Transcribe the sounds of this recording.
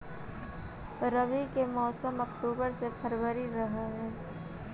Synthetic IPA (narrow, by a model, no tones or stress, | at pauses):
ɾəʋikemɔːsəmɐkʈuːbəɾsepʰəɾʋəɾiɾɐɦaɦɛː